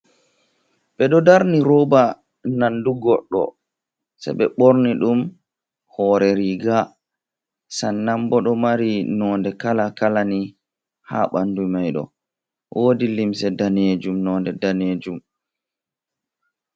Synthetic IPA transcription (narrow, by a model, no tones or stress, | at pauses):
ɓɛɗɔdaɾniɾoːba | nanduɡɔɗːɔ̰ | sa̰ɓɛɓoɾniɗum | hɔːɾɛɾiɡa | sanːambɔɗɔmaɾinɔːndɛkalakalani | ha̰ɓandumajɗɔ̰ | wʔoːdilimsɛdaned͡ʒumnɔndɛdaned͡ʒum